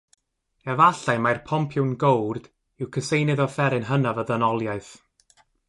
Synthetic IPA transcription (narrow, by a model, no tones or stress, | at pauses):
ɛvaɬajmajrpʰɔmpʰjʊwnɡowrd̥ | ɪwkʰəsejnɨðɔfɛɾɨnɦənavəðənɔlˠjaɨθ